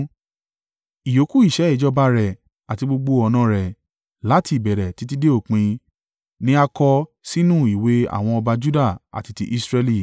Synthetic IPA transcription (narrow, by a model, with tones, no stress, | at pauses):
i˨jo˨˦ku˦i˦˨ʃɛ˨˦ɛ˦˨d͡ʒɔ˦ba˧˦ɾɛ˨ | a˨ti˧ɡ͡bo˧ɡ͡bo˧ɔ˧nã˦ɾɛ˨ | la˨˦ti˧˦i˨bɛ˨ɾɛ˨ti˨˦t̬i˦de˦o˦˨k͡pĩ˧ | nĩ˦a˧kɔ˧ | si˦nũ˦˨i˨we˨˦a̰˦˨w̃ɔ̃˧ɔ˧ba˧d͡ʒu˦da˦˨a̰˨ti˨˧ti˧ʔi˦sɾɛ˧li˦˨